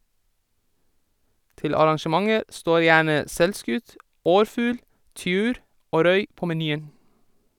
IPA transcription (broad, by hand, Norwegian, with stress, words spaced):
ˈtɪl ɑɾɑŋʃəˈmɑŋəɾ ˈstoːɾ ˈjæːɳə ˈsɛlˌskʉt ˈɔɾˌfʉːl ˈtʏʉːɾ ˈoː ˈɾœʏ ˈpoː mɛˈnyːən